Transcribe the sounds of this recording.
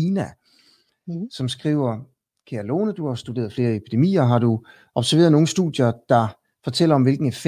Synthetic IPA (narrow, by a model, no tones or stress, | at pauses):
inæ | sɒ̽msɡ̥ʁḭːʊ̰ɐ | kʰeɐlo̝ːnəd̥uhɑ̈sd̥ud̥e̝̰ːɐðˠfle̝ːɐepʰid̥e̝mḭːɐɦɑ̈ɾu | ʔɒ̽b̥sæɐʋe̝̰ːɐðˠno̝ːŋn̩sd̥uð̥jɐːd̥ɑ̈ | fɒ̽t͡sʰel̰ɐɒ̽mʋelɡ̥n̩ef